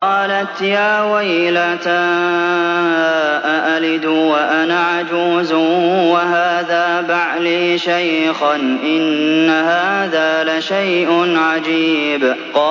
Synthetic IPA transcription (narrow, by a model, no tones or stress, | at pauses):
ɑːlat̪jaːwajlat̪a | ʔaʔalɪd̪ʊwaʔanaːʕad͡ʒuːzʊwaɦaːðaːbaʕliːʃajxanʔɪnːaɦaːðaːlaʃajʔʊnʕad͡ʒiːb | qɑː